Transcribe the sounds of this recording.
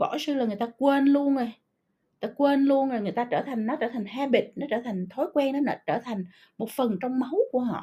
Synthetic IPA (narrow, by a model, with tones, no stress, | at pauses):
ɓɔ̰˧˩sɨ˧laː˨˩ŋɨ˨˩əjt̪aː˧kwe˧nlu˧ənzo˨˩j | t̪aː˧kwe˧nlu˧ənzo˨˩jŋɨ˨˩əjt̪aː˧t͡ɕəː˧˩t̪ʰa˨˩jŋ̟nɔ˨˦t͡ɕəː˧˩t̪ʰa˨˩jŋ̟haː˧ɓi˨˩t̚nɔ˨˦t͡ɕəː˧˩t̪ʰa˨˩jŋ̟t̪ʰo˨˦jkwɛ˧ŋnɔ˨˦nɔ˧˨˦t͡ɕəː˧˩t̪ʰa˨˩jŋ̟ | mo˨˩t̚fə˨˩nt͡ɕɔ˧wŋ͡mmə˨˦wku˧˩əɦɔ̰˧˨